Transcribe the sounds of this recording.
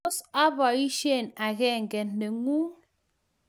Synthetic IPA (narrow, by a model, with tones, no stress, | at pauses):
sa˦βɔ˨i˦ʃe˦˨na˨ɣe˦ŋ̩˨ke˨nː˨e˨ŋu˦